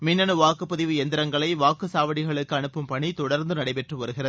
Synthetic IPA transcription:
mɪnːɐnɯʋaːkɯpːɐðɪʋɯɛnd̪ɪɾɐŋɡɐɭɐɪʋaːkɯsaːʋɐɽɪɣɐɭɯkːɯɐɳɯpːɯmpɐɳit̪ɔɽɐɾnd̪ɯnɐɽɐɪpɛʈrɯʋɐɾɯɣɪrɐð

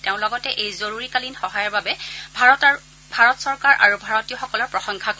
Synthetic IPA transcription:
teʊ̃lɔɡɔtɛʔejzoɹuɹikalinxɔɦajɔɹbabɛbʱat | bʱaɹɔtsɔɹkaɹʔa̰ɹubʱaɹɔtiɔxɔkɔlɔɹpɹɔxɔŋkʰak

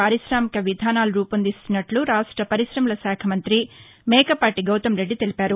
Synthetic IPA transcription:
aːɾiʃɾaːmikɐʋid̪ʱaːnaːlɾuːpɐnd̪ist̪unːɐʈluɾaːʂʈɾɐpɐɾiʃɾɐmulɐsaːkʰɐmɐnt̪ɾi | mɛːkɐpaːʈiɡɐwt̪ɐmɾe̞ɖːit̪e̞lipaːɾu

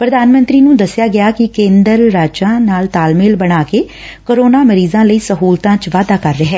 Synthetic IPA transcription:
pɾəd̪aːnmə̃nt̪ɾiːnũːd̪əsːɪjaːɡɪaːkɪkẽːnd̪əɾːaːd͡ʒãːnaːlt̪aːlmɪːlbəɽ̃aːkeː | koɾoːnaːməɾiːzãːləiːsəɦuːlt̪ãːt͡ʃʋaːd̪aːkəɾːeɦɛː

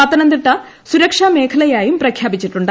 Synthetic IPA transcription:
ɐt̪ːɐnɐnd̪iʈːɐ | suɾɐkʂaːme̞ːkʰɐlɐjaːjumprɐkʰjaːbit͡ɕːiʈːuɳɖɨ

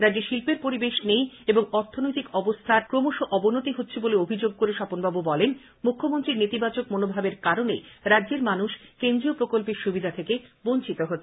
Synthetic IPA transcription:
ɾadd͡ʑeʃilpeɾpoɾibeʃnejeboŋɔɾt̪ʰːonojt̪ikɔbost̪ʰaɾkɾomoʃoʔɔbonot̪iɦotːɕʰeboleobʱid͡ʑoɡ̚koɾeʃɔponbabubɔlen | mukʰːomont̪ɾiɾnet̪ibat͡ɕok̚monobʱabeɾkaɾonḛɾadːd͡ʑeɾmanuʃkend̪ɾiopɾokolpeɾʃubid̪ʱat̪ʰekebont͡ɕit̪oɦotːʰe

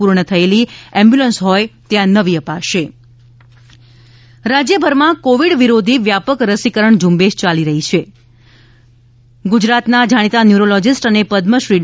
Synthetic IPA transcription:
uɾɳət̪ʰəeliɛmbjulənsɦɔjt̪jãnəʋiəpaʃe | ɾad͡ʒjəbʱəɾmãkoʋiɽʋiɾod̪ʱiʋjapəkɾəsikəɾəɳd͡ʒũmbeʃt͡ʃaliɾəɦit͡ʃʰe | ɡud͡ʒɾat̪nad͡ʒʱaɽ̃it̪anjuɾolɔd͡ʒɪsʈənepəd̪məʃɾi

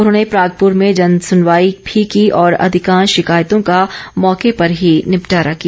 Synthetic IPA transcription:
ʊnɦõːnepɾaːɡ̚pʊɾmẽd͡ʒɐnsʊnʋaːibʱikiʔɔːɾɐ̰d̪ʱɪkãːnʃɪkaːjt̪õkamɔːkepɐɾɦinɪpʈaːɾakija

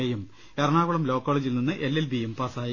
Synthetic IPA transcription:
ejɐm | eɾɐɳaːɣuɭɐmlo̞ːkːoːɭɐd͡ʑilninːɨʔelːilbijempaːsaːj

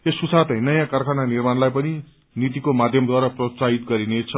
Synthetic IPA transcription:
esusat̪ʌjnʌjãkʌrkʰananirmanlajpʌni | nit̪̬ikomad̪ʱjʌmd̪waɾʌprʌt͡saɦit̪̚ɡʌɾinet͡sʰʌ

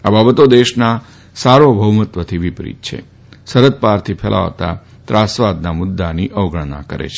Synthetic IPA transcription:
ababət̪od̪eʃna | saɾobʱəʋmət̪ʋət̪ʰiʋipɾḭt̪̚t͡ʃʰḛ | səɾət̪̚paɾt̪ʰipʰɛlʔa̰ʋt̪a̰ | t̪ɾasʋad̪namʊd̪ːaniʔəʋɡʱəɽna̰kə̰ɾḛt͡ʃʰe

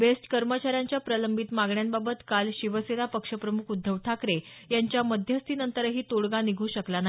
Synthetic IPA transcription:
besʈkəɾmət͡ɕaɾjaɲt͡ɕjapɾələmbʱit̪maɡɳjanbabət̪kalɕiʋəsed̪apəkʂəpɾəmukʰud̪ʱːəʋʈʰakɾe | jaɲt͡ɕjaməd̪ʱjəst̪iːnənt̪əɾɦiːt̪oɽɡaniɡʱuːɕəklana

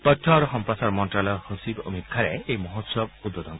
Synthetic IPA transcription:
t̪ɔtʰːɔaɾuɦɔmpɾasaɾmɔnʈɾalɔhosibo̰mitkʰːaɾeejmɔɦot̪sɔb̚ud̪ɔd̪ɔn

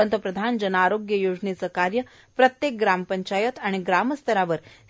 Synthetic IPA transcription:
ənt̪əpɾəd̪ʱand͡ʑənaɾoɡjəjod͡ʑnit͡səkaɾjə | pɾət̪jek̚ɡɾampəɲt͡ɕajət̪aɽ̃iɡɾaməst̪ʰəɾaʋəɾ

